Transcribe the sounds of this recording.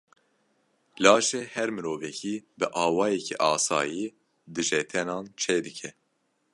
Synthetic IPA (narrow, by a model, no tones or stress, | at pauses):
lɑːʃɛhɛɾmɨɾoːvɛkʰiːbɨʔɑːwɑːjɛkʰḭʔɑːsɑ̰ːjiː | d̪ɨʒɛt̪ʰɛnɑːnt͡ʃʰeːd̪ɨkʰɛ